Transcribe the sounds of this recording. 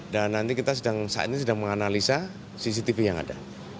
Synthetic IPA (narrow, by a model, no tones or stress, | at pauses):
danːant̪ikit̪asədaŋsa̰ʔa̰t̪̚ɲas̬ədaŋməŋanalisa | sis̬it̪ifijaŋa̰da̰